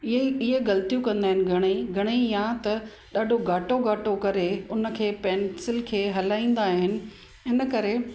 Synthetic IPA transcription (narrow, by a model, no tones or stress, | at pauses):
eɪɦeɡɐlt̪ijũkɐ̃nd̪aːɦɪnɪ̆ɡʱɐɽ̃eɡʱɐɽ̃ejãt̪ɐ | ɗaːɖʱoɡʱaːʈoɡʱaːʈokɐɾeʊnə̆kʰeːpɛ̃ːnsɪlkʰeːɦɐlaːĩːn̆d̪aːɦɪnɪ̆ | ɪnə̆kɐɾe